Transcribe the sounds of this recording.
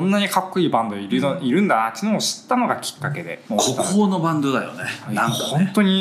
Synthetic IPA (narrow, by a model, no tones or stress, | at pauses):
õnːaɲ̟ikʰakːo̟ibãnd̪o̞iɾiɾɯ̟̃nd̪anat͡ɕ̪ːinɯ̃oɕi̥t̪ːano̞ɡakʲi̥kːake̞d̪e̞̰okʰot̪akoːnobãnd̪o̞d̪ajo̰neãŋhõ̞nt̪oɲ̟i